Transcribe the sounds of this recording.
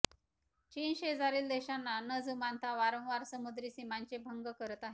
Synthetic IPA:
t͡ɕiːnɕed͡zaɾiːld̪eɕanːanəd͡zumant̪ʰaʋaɾə̃w̃ʋaɾsəmud̪ɾiːsimaɲt͡ɕebʱəŋɡəkəɾət̪aɦe

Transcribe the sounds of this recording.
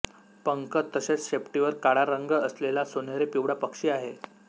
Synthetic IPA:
pəŋkət̪ːəɕet͡sɕepʈiʋəɾkaɽaɾəŋɡəəslelasonjaɾepiʋɽapəkʂiːaɦe

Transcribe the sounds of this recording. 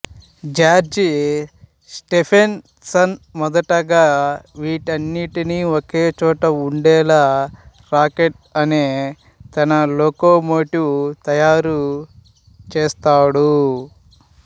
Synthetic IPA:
d͡ʒaːɾd͡ʒi | sʈepʰen | sɐnmɔd̪ɐʈɐɡaːʋiːʈɐnːiʈiniːokeːt͡ʃɔːʈɐuɳɖɛːlaː | ɾaːkeʈ̚ | ɐneː | t̪ɐnɐloːkoːmoːʈut̪ɐjaːɾu | t͡ʃeːst̪aːɽu

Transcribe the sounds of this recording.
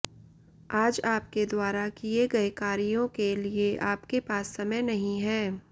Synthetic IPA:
aːd͡ʒaːp̚ked̪waːɾakieɡɐjkaːɾijõkelieʔaːpkepaːsːɐməjnɐɦĩɦɛ̃ː

